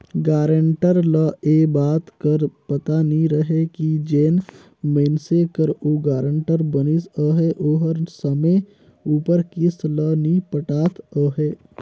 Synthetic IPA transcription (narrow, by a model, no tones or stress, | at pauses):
ɡaːɾəɳʈəɾləʔeːbaːt̪kəɾpət̪aniɾəɦekid͡ʒeːn | meːnsekəɾoːɡaːɾə̃ɳʈəɾbənisəɦeʔoːɦəɾsəmẽ | uːpəɾkɪslənipəʈaːt̪əɦeː